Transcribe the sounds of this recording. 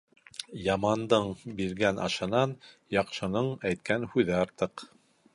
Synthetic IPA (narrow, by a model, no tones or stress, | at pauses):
jɑmɑnd̪ɤɴbiɾɡænʔɑ̰ʃɤ̆nɑnjɑqʃɤ̆nɤɴæjt̪̚kænhʉðɘɑɾt̪ɤq